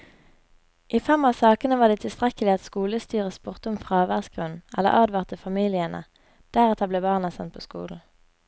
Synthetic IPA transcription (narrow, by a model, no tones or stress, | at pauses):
ʔiːfɛmɑsɑːkənəʋɑːd̪eːt̪ʰɪlst̪ʁɛkəlɪɑt̪skuːləst̪yːʁəsbuʁt̪əʊmfʁɑːʋæʁsɡ̥ʁʉnɛ̰lːə̰ʁʔɑːd̪ʋɑːʁt̪əfɑmiːlɪənə̰ | d̪̥æʁɛt̪ʰɑbleːbɑːʁnəsɛ̰nt̪̚pʰoːskṵːln̩